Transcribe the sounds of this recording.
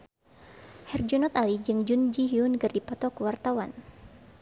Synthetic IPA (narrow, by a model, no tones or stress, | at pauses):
hɛrd͡ʒunɔt̪alid͡ʒɨŋd͡ʒund͡ʒiɦiunkɨrdipɔt̪ɔkuwart̪awan